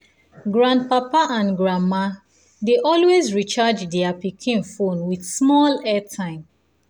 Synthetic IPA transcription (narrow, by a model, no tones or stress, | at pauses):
ɡɹãndpapaʔãnɡɹãma | deʔɔlwezɹit͡ʃad͡ʒdɛapikʰĩnfõnwidsmɔlɛtʰãɪ̃m